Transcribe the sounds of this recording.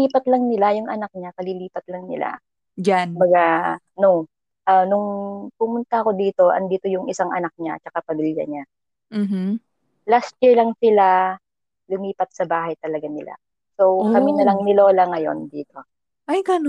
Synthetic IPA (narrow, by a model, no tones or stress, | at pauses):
iːpɐt̪̚lɐŋnɪlajʊŋʔɐnɐk̚ɲakɐliliːpɐt̪̚lɐŋnɪ̰la̰ | d͡ʒaʊmbɐɡa | no | ʔɐnʊŋpʊmʊnt̪ɐɐko̞d̪iːt̪o̞ʔɐ̰nd̪iːt̪o̞jʊŋʔɪsaŋʔɐnak̚ɲa̰t͡ʃɐkapɐmiːlja̰ɲa | m̩ɦ̩ | last̪̚t͡ʃiɹlɐŋsɪla | lʊmiːpɐt̪̚sɐbaːɦɐjt̪ɐlɐɡanɪla̰ | sowkɐminɐlɐŋnɪloːlaŋɐjo̞̰nd̪iːt̪o̞ | ʔajɡan